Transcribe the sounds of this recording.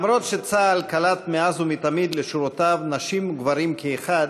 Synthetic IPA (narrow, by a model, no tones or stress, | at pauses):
mɾo̞t̪ʃet͡salkalat̪meazumit̪amid̪leʃuɾot̪avnaʃimɡvaɾimkeeχad̪